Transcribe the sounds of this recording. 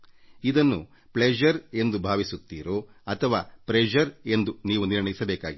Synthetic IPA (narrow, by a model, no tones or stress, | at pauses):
id̪ɐnːu | pled͡ʒɐɾe̞nd̪ubʱaːʋisut̪ːiːɾoːɐt̪ʰɐʋaːpɾed͡ʒɐɾe̞nd̪uniːʋuniɾɳɐjisɐbeːkaːɡi